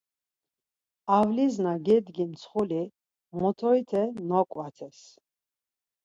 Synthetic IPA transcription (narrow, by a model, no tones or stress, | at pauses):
avliznaɡɛd̪ɡimt̪sʰχuli | mɔt̪ʰɔit̪ʰɛnɔkʼwat̪ʰɛs